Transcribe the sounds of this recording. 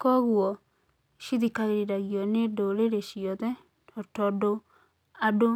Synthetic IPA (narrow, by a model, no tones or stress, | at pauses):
kɔɣwɔ | ʃiðikaɣeɾeɾaɣiɔnedoɾeɾeʃiɔðɛ | ɔtɔdo | ado